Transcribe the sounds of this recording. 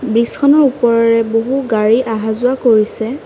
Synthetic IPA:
bɹisɔnɔɹupɔɹɔɹɛboɦuɡaɹiʔaɦazʊakoɹisɛ

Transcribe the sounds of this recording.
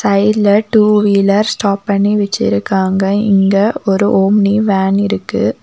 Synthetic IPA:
sɐɪlɐʈuːʋiːlɐɾsʈaːpːɐɳːiʋɛt͡ʃːɪ̰ɾɯkːaːŋɡɐɪ̰ŋɡɐɔɾɯʔoːmniʋaːnɪɾɯkːɯ̰

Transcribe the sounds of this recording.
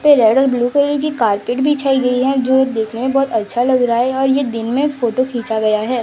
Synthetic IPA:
peɾɛːɽəlbluːkəɾk̬ikaːɾkeːʈbʱit͡ʃʰaːiɡɐiɦɛd͡ʒoːd̪eːkʰnemẽbɔːt̪ɐtːʃʰalɐɡɾɐɦaɦɛɔːɾjed̪ɪnmẽfoːʈokʰĩːt͡ʃaɡɐjaɦɛː

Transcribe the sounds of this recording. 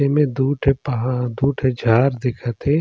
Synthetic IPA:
emẽd̪uːʈʰpɦd̪uːʈʰed͡ʒʱaːɾd̪ɪkʰət̪e

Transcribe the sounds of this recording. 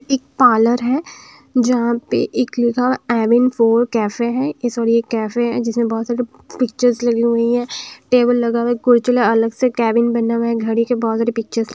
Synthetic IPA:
ɪːk̚paːləɾɦɛ̃ː | d͡ʒɐɦãpḛʔɪklikʰaɛːbɪnfoːɾkɛːfeɦɛ̃esɔːɾiekɛːfeɦɛ̰̃d͡ʒɪsmẽbɔːt̪saːɾi | pɪk̚t͡ʃəɾzlɐɡiɦʊiɦɛ̃ʈeːbəlːɐɡaːʋekʊɾt͡ʃəleɐləɡsekɛːbɪnbɐnaʋẽɦɡʱɐɽikebɔːt̪saːɾepɪk̚t͡ʃəɾz

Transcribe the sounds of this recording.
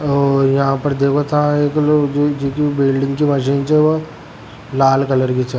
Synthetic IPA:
ɔːɾjɐɦãpɐɾd̪eːkʰot̪ʰãeːkːd͡ʒod͡ʒoːkibɪlɖɪ̃ŋɡkimɐʃ̬iːnt͡ʃɛʋo | laːlkɐləɾkit͡ʃʰe

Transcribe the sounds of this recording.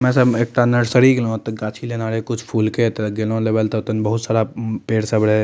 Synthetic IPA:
mɛ̃səbeːk̚ʈanəɽsəɾiɡlõt̪ɡaːt͡ʃʰilenaːɾekʊt͡ʃʰpʰuːlket̪ɡelõleːʋəlt̪ɔʊt̪ənbəɦʊt̪saːɾapeːɽsəbɽɛ

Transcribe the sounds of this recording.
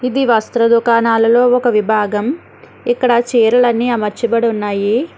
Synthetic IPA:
id̪iʋɐst̪ɾɐd̪ukaːnaːlɐlo̞ːɔkɐʋibʱaːɡɐm | ikːɐɽɐt͡ʃiːɾɐlɐnːiɐmɐɾt͡ʃibɐɽunːaːji

